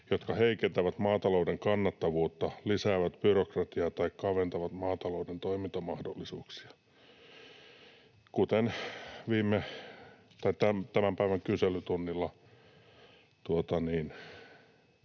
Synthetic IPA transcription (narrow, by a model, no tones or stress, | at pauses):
jot̪kɑheikent̪æʋæt̪mɑːt̪ɑloudeŋkɑnːɑt̪ːɑʋuːt̪ːɑlisæːʋæt̪b̥yrokrɑt̪iɑːt̪ɑikkɑʋent̪ɑʋɑt̪mɑːt̪ɑloudent̪oimint̪ɑmɑhdolːisuːksi̥ɑ̥ | kut̪enʋiːmːe | t̪ɑit̪æmt̪æmæmpæiʋæŋkyselyt̪unːilːɑ | t̪uot̪ɑniːn